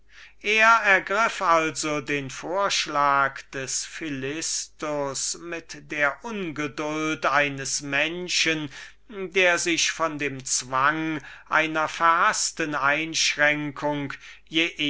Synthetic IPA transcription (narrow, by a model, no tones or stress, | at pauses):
ʔeːɐɛɐɡʁɪfalzodeːnfoːɐʃlaːkd̥ɛsfilɪstʊsmɪtd̥eːɐʔʊnɡədʊltaɪnəsmɛnʃən | deːɐzɪʃfɔndeːmt͡sv̥aŋʔa̰ɪnɐfɛɐhastənaɪnʃʁɛŋkʰʊŋk | jeːʔ